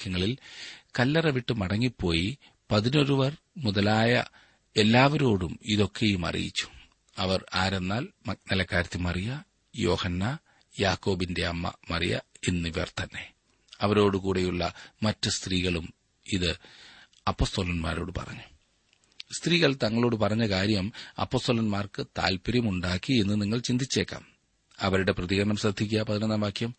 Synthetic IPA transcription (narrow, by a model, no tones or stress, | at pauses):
kːɐŋːɐɭilkɐlːɐrɐʋiʈːɨmɐɽɐŋːipːo̞ːji | pɐðino̞ɾuʋɐr | muðɐlaːjɐ̰ | e̞lːaːʋɐɾo̞ːɽumiðo̞kːejumɐ̰rḭjḭt͡ɕːu̥ | ɐʋɐraːɾe̞nːaːlmnɐlɐkːaːɾɐt̪ːumɐrijɐ | jo̞ːhɐnːa | jaːkːo̞ːbinde̞ɐmːɐ̰mɐrijɐ̰enːiʋɐ̰rt̪ɐnːe̞ | ɐʋɐɾo̞ːɽɨkuːɽejuɭːɐmɐtːɨst̪riːɣɐɭum | iðɨ | ɐpːo̞ːst̪oːlɐnma̰ːɾo̞ːɽɨpɐ̰rɐ̰ɲːu | st̪riːɣɐɭt̪ɐŋːɐɭo̞ːɽɨpɐrɐɲːɐkaːɾjɐmɐ̰pːo̞ːst̪oːlɐnmaːrkɨt̪a̰ːlpɐɾjɐmuɳɖaːkːie̞nːɨniŋːɐɭt͡ɕind̪ʱit͡ɕːe̞ːkːa̰ːm | ɐʋɐɾuɽe̞prɐðiɣɐɾɐɳɐmsrɐd̪ʱːik̬ʲːɐpɐðinɐnːaːmbaːkːjɐm